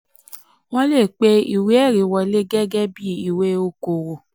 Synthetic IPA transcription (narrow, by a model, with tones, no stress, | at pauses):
w̃ɔ̃˦le˦˨k͡pe˦i˨we˦ɛ˦˨ɾi˨˦wɔ˧le˦ɡɛ˦ɡɛ˦bi˦i˨we˦o˦ko˨wo˨